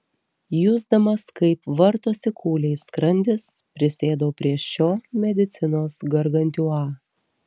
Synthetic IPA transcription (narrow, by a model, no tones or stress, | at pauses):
jʊzd̪ɐmɐskɐɪpʋɐɾt̪oːsʲɪkʰuːlʲɛɪskɾɐnʲd̪ʲɪspʲɾʲɪsʲeːd̪oːpʲɾʲiɛʃt͡ʃʲoːmʲɛd̪ʲɪt̪sʲɪnoːsɡɐɾɡɐnʲt̪ʲuːɑː